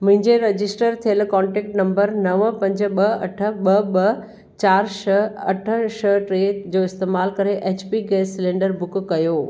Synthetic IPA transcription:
mʊ̃ɦɪ̃ɲd͡ʑeɾɐd͡ʑɪsʈəɾt̪ʰijəlkɔ̃ːɳʈɛːk̚ʈnɐ̃mbəɾnɐʋpɐ̃ɲd͡ʑ̆ɓɐɐ̰ʈʰə̆ɓɐɓɐ | t͡ɕaːɾʃɐɐʈʰə̆ʃɐʈɾeːd͡ʑoːɪst̪eːmaːlkɐɾeʔeːt͡ɕpiɡeːsːɪlẽːɳɖəɾbʊkkɐjoː

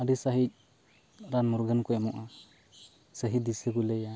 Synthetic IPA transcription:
aɖisaɦic̚ | ɾanmuɾɡənkɔɛmɔʔa | səɦid̪isekulɛja

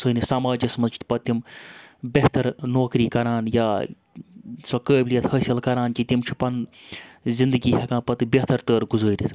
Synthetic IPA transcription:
səːnisaːmaːd͡ʒɐsmɐnt͡ʃʰit̪pɐt̪ːimbʲeht̪ɐɾnoːkɾiːkɐɾaːnjaː | sɐkəːbʲlijɐt̪hɐsʲɐlkɐɾaːnkʲit̪imt͡ʃʰi̥pɐn | zind̪ɨɡiːɦɐkãːpɐt̪ɨbʲeht̪ɐɾt̪əːɾɡuzəːɾʲit̪ʰ

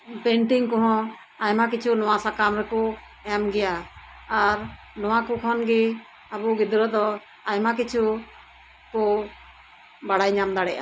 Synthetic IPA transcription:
pɛɳʈiŋkɔ̃ɦɔ̃ | ajmakit͡ʃʰunɔwasakamɾɛkɔ | ɛmɡɛjaː | ɾ | nɔwakukʰɔnɡɛ | abuɡid̪ɾɔd̪ɔ | ajmakit͡ʃʰu | kɔ | baɽajɲamd̪aɽɛʔa̰

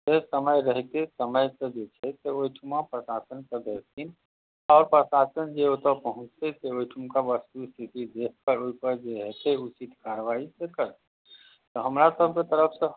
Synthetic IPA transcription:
jeɦsəməjɾəɦt̪esəməjsed͡ʒot͡ʃʰɛseoɪʈʰumãpɾəsaːsənkəd̪əɾsin | ɔːɾpɾəsaːsənd͡ʒeot̪əpəɦʊ̃t͡ʃt̪eseojʈʰumkaʋəst̪ust̪ʰit̪id̪eːk̚ʰkəɾoipəɾd͡ʒeɦɛt̪eʊt͡ʃit̪kaːɾʋaːisekəɾ | t̪oɦəmɾasəb̚ket̪əɾəpʰse

